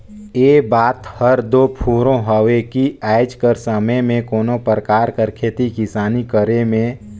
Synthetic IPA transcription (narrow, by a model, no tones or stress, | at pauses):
eːbaːt̪həɾd̪oːpʰuːɾõɦəʋekiaːɪd͡ʒkəɾsəməjmẽkoːnopɾəkaːɾkəɾkʰeːt̪ikɪsaːnikəɾemẽ